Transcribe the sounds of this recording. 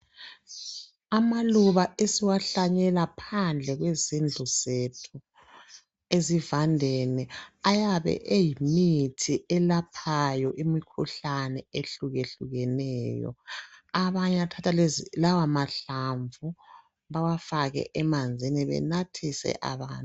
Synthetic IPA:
amaluβaesiwaɬaɲɛlapʰand͡ɮʱɛɣwezind͡ɮʱuzetʰu | ezivandʱɛnɛajaβɛ̰ʔejimitʰiʔɛlapʰajɔʔimikʰuɬanɛeɬuɣeɬuɣɛnɛːjɔ̰aβaɲatʰatʰalawamaɬaɱvu | βawafaɣɛ̰ʔɛmand͡zʱiniβɛ̰natʰisɛ̰ʔa̰βaːnt

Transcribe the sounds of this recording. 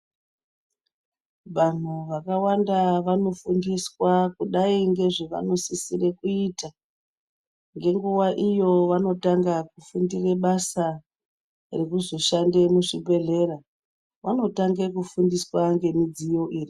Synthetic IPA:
ʋan̤uʋakawandaʋano̞fundiswakuɗaiŋɡe̞ʐeʋa̰no̞sisirekuita | ŋɡe̞ŋɡuwaʔijo̞ʋano̞taŋɡakufundireɓasa | rekuzo̞ʃande̞muʂibʱe̞ɮe̞ɾa | ʋano̞taŋɡekufundiswaŋɡe̞mid͡zijo̞ʔiːri

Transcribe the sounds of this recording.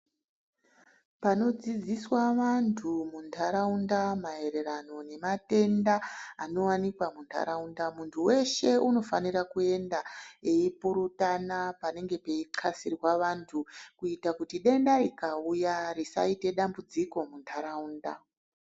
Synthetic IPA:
pano̞d͡zid͡ziswaʋantʰumuntʰaɾaundamae̞ɾe̞rano̞ne̞mate̞ndaːno̞wanikwamuntʰa̰ɾaundamuntʰuwe̞ʃe̞uno̞fanirakue̞ndaeipuɾutanapane̞ŋɡe̞pe̞iǃʰasirwaʋantʰukuitakutiɗe̞ndaɾikaujarisa̰ite̞ɗambud͡ziko̞muntʰaɾaunda̰

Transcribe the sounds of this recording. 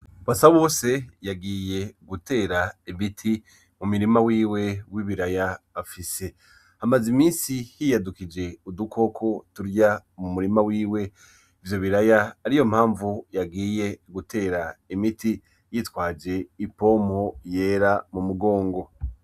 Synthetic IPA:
βasaβo̞ːse̞jaɡiːje̞ɡute̞ːɾaiβitʰi | mumuɾimawiːwe̞wiβiɾajaː | fise̞ | hamazimiːnsihijadukid͡ʒe̞udukʰo̞kʰo̞tuɾjamumuɾimawiːwe̞ | ivjo̞βiɾajaːɾijo̞m̥haːɱvujaɡiːje̞ɡutʰe̞ːɾaimitʰi | jitwaːd͡ʒe̞ipo̞ːmho̞je̞ːɾamumuɡo̞ːŋɡo̞

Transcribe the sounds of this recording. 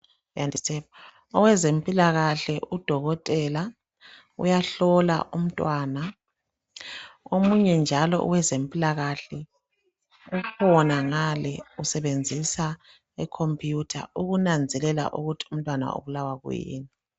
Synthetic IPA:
jandʱisɛpa | ɔwɛzempʼilaɣaɬɛʔud̥ʱɔɣɔtʼɛla | ṵjaɬɔla̰ʔum̩tʼwaːna | omuɲɛnd͡ʒʱalɔ̰ʔṵwɛzempʼilaɣaɬɛ | ukʰɔnaŋalɛusɛβend͡zʱisa | ikʰompʰʼjutʰa̰uɣunand͡zʱɛlɛla̰ʔuɣutʰi̥um̩tʼwana̰o̰βulawaɣṵjḭːni

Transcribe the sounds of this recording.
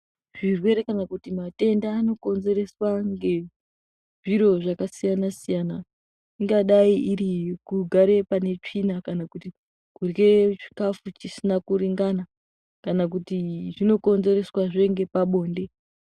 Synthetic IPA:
ʐ̥irwe̞ɾe̞kanakutimate̞ndaːno̞ko̞nze̞ɾe̞swaŋɡe̞ | ʐiɾo̞ʐakasijanasijana | iŋɡaɗaiʔiɾikuɡʱaɾe̞pane̞t͡ʂinakanakuti | kurɡet͡ʃi̥kafut͡ʃisinakuɾiŋɡana | kanak̬utiʐino̞ko̞nze̞ɾe̞swaʐe̞ŋɡe̞paɓo̞ːnde̞

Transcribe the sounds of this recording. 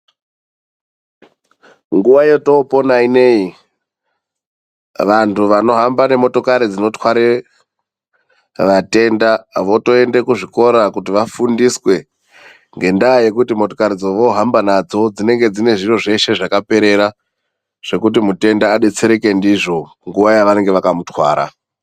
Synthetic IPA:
ŋɡuʋaje̞to̞ːpo̞naine̞i | ʋantuʋano̞ɦambane̞mo̞to̞kaɾid͡zino̞twaɾe | ʋate̞ndaʋo̞to̞e̞ndekuʐiko̞ɾakutiʋafundiswe̞ | ŋɡe̞ndaje̞kutimo̞to̞kaɾid͡zoʋo̞ɦambanad͡zo̞d͡zine̞ŋɡe̞d͡zine̞ʐiro̞ʐe̞ʃe̞ʐakape̞ɾe̞ɾa | ʐ̥e̞kut̬imute̞ndaːɗe̞t͡se̞ɾeke̞ndiʐo̞ | ŋɡuʋajaʋane̞ŋɡe̞ʋakamutwa̰ːɾa̰

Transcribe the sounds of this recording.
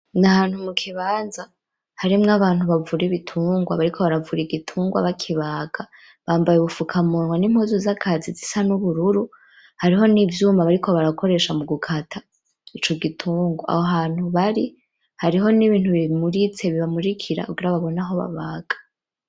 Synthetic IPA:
nahaːnhumukʰiβaːnza | haɾimŋaβaːnhuβavuɾiβitʰuːŋɡwa̰βaɾikʰo̞βaɾavuɾiɡitʰuːŋɡwa̰βakʰiβaːɡ̥a | βaːmbajuβufukʰamunŋwanim̥huzuzakʰazizisanuβuɾuɾu | haɾiɦo̞nivjuːmaβaɾikʰo̞βaɾako̞ɾe̞ːʃamuɡukʰatʰa | it͡ʃo̞ɡitʰuːŋɡoa̰hoɦaːn̥huβaɾi | haɾiɦo̞niβiːnhuβimuɾit͡se̞βiβamuɾikʰiɾa̰kuɡiɾaβaβo̞naɦo̞βa̰βaːɡ̥ḁ

